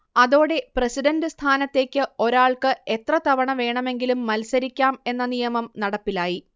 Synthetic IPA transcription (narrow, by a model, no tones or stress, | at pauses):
ɐðo̞ːɽe̞presidɐndɨst̪ʰaːnɐt̪ːe̞ːkʲːɨo̞ɾaːɭkɨe̞t̪rɐt̪ɐʋɐɳɐʋe̞ːɳɐme̞ŋɡilumːɐlsɐɾikʲːaːme̞nːɐnijɐmɐmnɐɽɐpːilaːji